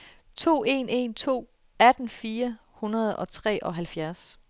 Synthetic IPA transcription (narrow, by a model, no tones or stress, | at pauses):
t͡sʰo̝̰ːe̝̰ne̝̰nt͡sʰo̝̰ː | æd̥n̩fiːɐ | hunɐð̞̩ˠɒ̽t͡sʰʁɛ̰ːʔɒ̽ɦælfjæɐs